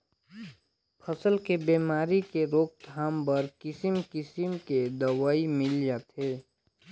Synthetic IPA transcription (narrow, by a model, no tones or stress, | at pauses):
pʰəsəlkebemaːɾikeɾoːk̚d̪ʱaːmbəɾkɪsimkɪsimked̪əwaːimɪld͡ʒat̪ɦe